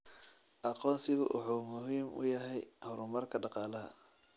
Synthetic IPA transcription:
ʔɑqɔːnsɪɣʊʔʊ̰ħuːmʊɦiːmʔʊ̰jɐɦɛjhɔɾʊmɐrkʰɐɖɑqɑːlɐɦɐ̰

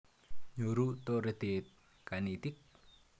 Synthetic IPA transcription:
ɲoɾut̪oɾed̪̥e | kanit̪ik̚

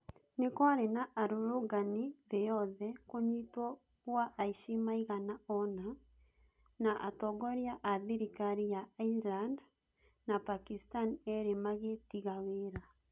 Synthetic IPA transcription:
nekwaɾenaʔaɾoɾoɣaniðejɔðɛkoɲitwɔ | ɣuaʔaiʃimaiɣanaɔna | naʔatɔɡɔɾiaʔaðiɾikaɾijailand | napakistanɛɾemaɣetiɣaweɾa

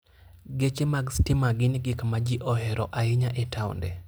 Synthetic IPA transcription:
ɡet͡ʃemaɡstɪmaɡɪnɪɡɪkmad͡ʒiʔɔɦɛɾɔʔaɪɲaʔetʰaʊ̰ndɛ̰

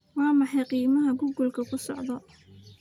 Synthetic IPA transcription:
wɑːmɑħɑjqiːmɐɦɐɡʊɡʊlkʰɐkʰʊsɔʕðɔ

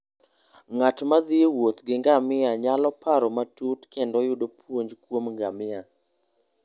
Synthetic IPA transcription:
ŋatmad̪ɪewot̪ɡɪŋɡamɪaɲalɔpaɾɔmatutkendɔjʊdopwoɲd͡ʒkwomŋɡamɪa

